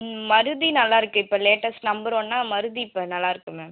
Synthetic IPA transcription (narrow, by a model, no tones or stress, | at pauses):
mɐɾɯðinɐlːaːɪɾɯkːɯ̃ɪpːoleːʈːɐsnɐmbɐɾõːnːaːmɐɾɯðiɪpːɐnɐlːaːɪɾɯkːɯmeːm